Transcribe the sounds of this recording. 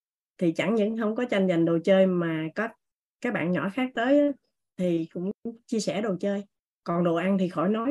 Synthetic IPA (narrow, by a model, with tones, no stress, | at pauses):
t̪ʰi˨˩t͡ɕa˧˩ŋɲɨ̰˧˥ŋɦə˧wŋ͡mkɔ˨˦t͡ɕa˧ŋza˨˩jŋ̟ɗo˨˩t͡ɕəː˧jmaː˨˩kɔ˨˦ | kaː˦˥k̚ɓa̰ː˧˨nɲɔ̰˧˩xaː˦˥k̚t̪əː˨˦jʔaː˨˦ | t̪ʰi˨˩kʊ̰˧˥ŋ͡mŋ͡mt͡ɕi˧əsɛ˧˩ɗo˨˩wt͡ɕəː˧j | kɔ˨˩nɗo̰˧˨ʔa˧nt̪ʰi˨˩xɔ˧˩jnɔ˨˦j